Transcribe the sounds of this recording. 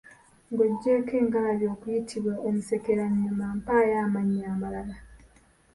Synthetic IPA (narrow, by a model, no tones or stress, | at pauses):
ŋɡoɟːe̞ke̞ːŋkalaɾjo̞ːkujitʰiβwaʔemise̞ke̞ɾaɲiomaːmpaːjaːmaɲːaːmalala